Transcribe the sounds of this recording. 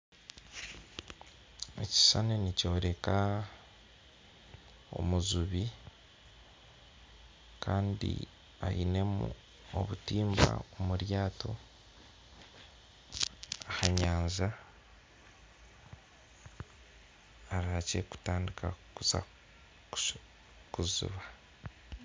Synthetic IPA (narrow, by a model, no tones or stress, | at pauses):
eci̥sanenico̞ːɾe̞ka | o̞̰muzuβi | kʰaːndḭ | ajine̞mu | oβutiːmba̰omuɾjaːto̞ | ahaɲaːɲza | ɾaace̞ku̥taːndikʰakuza̰ | kuzṵβa